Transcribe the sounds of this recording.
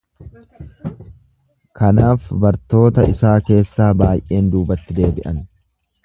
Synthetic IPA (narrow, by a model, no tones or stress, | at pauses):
kɐnaːfbɐɾt̪o̞ːt̪ɐʔɪsaːke̞ːsːaːbaːjʔe̞ːnd̪uːbɐt̪ːɪd̪e̞ːbɪʔɐn